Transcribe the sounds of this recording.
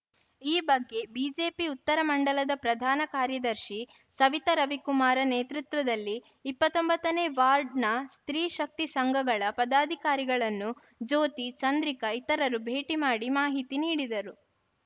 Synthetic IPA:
iːbɐɡːe̞biːd͡ʒe̞ːpiut̪ːɐɾɐmɐɳɖɐlɐd̪ɐpɾɐd̪ʱaːnɐkaːɾjɐd̪ɐɾʃi | sɐʋit̪ɐɾɐʋikumaːɾɐneːt̪ɾut̪ʋɐd̪ɐlːiː | pːɐt̪ːombɐt̪ːɐneːʋaːɾɖnɐst̪ɾiːʃɐk̚t̪isɐŋɡʱɐɡɐɭɐpɐd̪aːd̪ʱikaːɾiɡɐɭɐnːu | d͡ʒoːt̪it͡ʃɐnd̪ɾikɐit̪ɐɾɐɾubʱeːʈimaːɽimaːɦit̪iniːɽid̪ɐɾu

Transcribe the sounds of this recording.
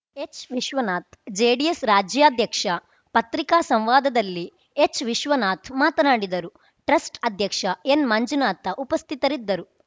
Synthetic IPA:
et͡ʃʋiʃʋɐnaːt̪ʰd͡ʒeːɖiesɾaːd͡ʒjaːd̪ʱjɐkʂɐ | pɐt̪ɾikaːsɐmʋaːd̪ɐd̪ɐlːi | et͡ʃʋiʃʋɐnaːt̪ʰmaːt̪ɐnaːɽid̪ɐɾu | ʈɾɐsʈɐd̪ʱjɐkʂɐenmɐɲd͡ʒunaːt̪ɐʔupɐst̪ʰit̪ɐɾid̪ːɐɾu

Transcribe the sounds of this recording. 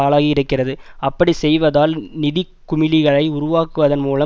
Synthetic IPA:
aːlaːɣɪɪɾɯkːɪrɐðɯɐpːɐɽisɛjʋɐðaːlnɪðɪkːʊmɪlɪɣɐɭɐɪʊɾʊʋaːkɯʋɐðɐnmuːlɐ

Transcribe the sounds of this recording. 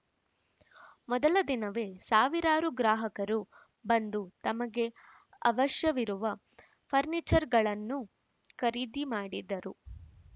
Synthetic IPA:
mɔd̪ɐlɐd̪inɐʋe̞ːsaːʋiɾaːɾuɡɾaːɦɐkɐɾu | bɐnd̪ut̪ɐmɐɡe̞ | ɐʋɐʃjɐʋiɾuʋɐ | pʰɐɾnit͡ʃɐɾɡɐɭɐnːu | kɐɾiːd̪imaːɽid̪ɐɾu

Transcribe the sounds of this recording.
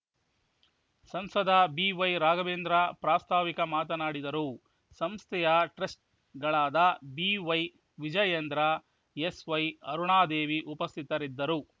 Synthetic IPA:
sɐmsɐd̪ɐbiːʋɐjɾaːɡɐʋeːnd̪ɾɐpɾaːst̪ʰaːʋikɐmaːt̪̬ɐnaːɽid̪ɐɾu | sɐmst̪ʰɛjɐʈɾɐsʈ̚ | ɡɐɭaːd̪ɐbiʋɐj | ʋid͡ʒɐjɐnd̪ɾɐ | esʋɐjɐɾuɳaːd̪eːʋiʔupɐst̪ʰit̪ɐɾid̪ːɐɾu

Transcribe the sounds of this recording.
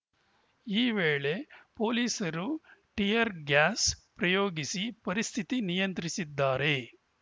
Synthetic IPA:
iːʋeːɭe̞po̞ːliːsɐɾuʈijɐɾɡaːspɾɐjoːɡisipɐɾist̪ʰit̪inijɐnt̪ɾisid̪ːaːɾe̞

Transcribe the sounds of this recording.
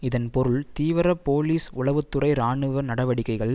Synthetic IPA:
ɪðɐnpɔɾɯɭt̪iːʋɪɾɐpoːliːsʊɭɐʋɯt̪ːɯrɐɪɾaːɳɯʋɐnɐɽɐʋɐɽɪkːɐɪɣɐɭ

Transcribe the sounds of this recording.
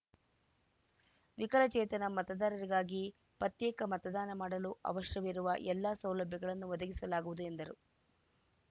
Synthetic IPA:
ʋikɐɾɐt͡ʃɛːt̪ɐnɐmɐt̪ɐd̪aːɾɐɾiɡaːɡi | pɾɐt̪jɛːkɐmɐt̪ɐd̪aːnɐmaːɽɐluɐ̰ʋɐʃjɐʋiɾuʋɐʔɛlːaːsɐwlɐbʱjɐɡɐɭɐnːuʋɔd̪ɐɡisɐlaːɡuʋud̪ue̞nd̪ɐɾu

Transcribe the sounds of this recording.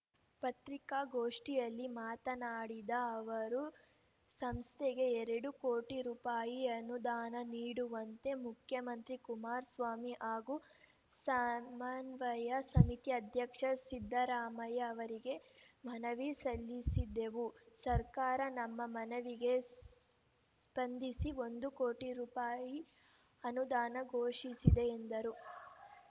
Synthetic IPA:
pɐt̪ɾikaɡoːʂʈijɐlːimaːt̪ɐnaːɽid̪ɐɐʋɐɾu | sɐmst̪ʰeɡe̞ɛɾɛɽukoːʈiɾuːpaːjiɐnud̪aːnɐniːɽuʋɐnt̪e̞mukʰjɐmɐnt̪ɾikumaːɾsʋaːmiʔaːɡu | samaːnʋɐjɐsɐmit̪iɐd̪ʱjɐkʂɐsid̪ʱːɐɾaːmɐjɐɐʋɐɾiɡe̞mɐnɐʋisɐlːisid̪e̞ʋusɐɾkaːɾɐnɐmːɐmɐnɐʋiɡe̞ | spɐnd̪ʱisio̞nd̪ukoːʈiɾupaːji | ɐnud̪aːnɐɡʱoːʂisid̪e̞ːnd̪ɐɾu

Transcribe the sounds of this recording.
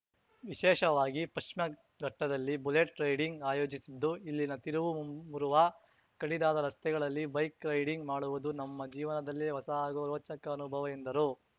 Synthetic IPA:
ʋiʃɛːʃɐʋaːɡipɐʂʂmjɐ | ɡɐʈːɐd̪ɐlːibuleʈɾɐjɽiŋɡaːjo̞ːd͡ʒisid̪ːuilːinɐt̪iɾuʋumuɾuʋɐ | kɐɽid̪aːd̪ɐɾɐst̪ɛɡɐɭɐlːibɐjkɾɐjɽiŋɡmaːɽuʋud̪unɐmːɐd͡ʒiːʋɐnɐd̪ɐlːiʋɐsɐaːɡoɾoːt͡ʃɐkɐːnubʱɐʋɐjind̪ɐɾu

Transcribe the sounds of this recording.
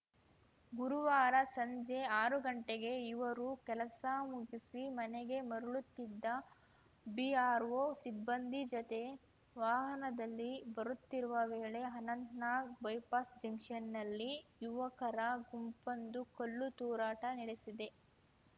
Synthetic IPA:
ɡuɾuʋaːɾɐsɐɲd͡ʒe̞aːɾuɡɐɳʈeɡe̞iʋɐɾukɛlɐsɐmuɡisimɐnɛɡe̞mɐɾuɭut̪ːid̪ːɐ | biaːɾʋosibːɐnd̪ʱid͡ʒɔt̪e̞ | ʋaːɦɐnɐd̪ɐlːibɐɾut̪ːiɾuʋɐʋeːɭe̞ɦɐnɐnt̪naːɡbɐjpaːsd͡ʒɐŋkʂɐnːɐlːijuʋɐkɐɾɐɡumpɐnd̪ukolːut̪uːɾaːʈɐniɽesid̪e̞

